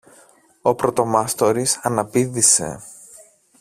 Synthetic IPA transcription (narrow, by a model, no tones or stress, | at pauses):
o̞pɾot̪o̞mɐst̪o̞ɾisɐnɐpiðise̞̰